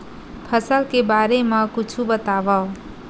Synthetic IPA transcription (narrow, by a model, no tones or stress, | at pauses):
pʰʌsəlkebaɾemakut͡ʃʰubət̪aʋʌ